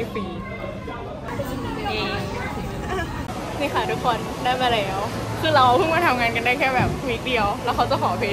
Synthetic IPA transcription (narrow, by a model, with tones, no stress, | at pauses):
fiː˨˦˨ | ʔeː˧ŋ | niː˥˩xa˥˩t̪ʰu˦˥kʰːo˧nːaː˥˩pa˧lɛː˦˥wkʰɯː˧˩ɾa˧wpʰɯ˥˩ŋmaː˥˩t̪ʰa˧mŋaː˧nka˧nda˥˩jkʰɛː˥˩bɛː˨˩p̚ːi˨˩k̚di˧əwlɛː˦˥wkʰa˦˥wt͡ɕa˨˩wkʰɔː˩˧pʰeː˦˥